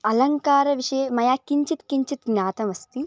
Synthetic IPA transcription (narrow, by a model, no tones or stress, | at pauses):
ɐlɐŋkaːɾɐʋiʂɐjemɐjaːkiɲt͡ʃit̪kiɲt͡ʃit̪ɡɲaːt̪ɐmɐst̪i